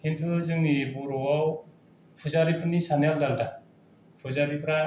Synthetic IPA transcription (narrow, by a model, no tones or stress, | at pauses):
hintʰɯzɯŋnibuɾɔwaw | pʰuzaɾipʰɯnisanaldalda | pʰuzaɾipʰɾa